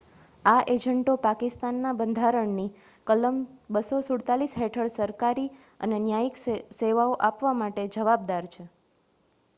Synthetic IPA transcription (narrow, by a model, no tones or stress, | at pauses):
aʔed͡ʒəɳʈopakɪst̪anːabə̃nd̪ʱaɾəɳni | kələmbəsosʊɽt̪alisɦeʈʰəɭsəɾkaɾi | ə̰nenjaikseʋaoʔapʋamaʈed͡ʒəʋab̚d̪aɾt͡ʃʰe